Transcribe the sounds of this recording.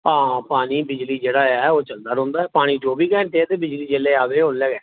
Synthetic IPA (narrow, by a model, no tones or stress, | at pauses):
ãːpaːniːbɪd͡ʒliːd͡ʒeːɽaːɛːoːt͡ʃəld̪aːɾõːnd̪aːɛːpaːɽ̃iːd͡ʒoːbiːkɛ̃ːɳʈeːɛt̪eːbɪd͡ʒliːd͡ʒeːleːaːbeːɦonlɛɡɛː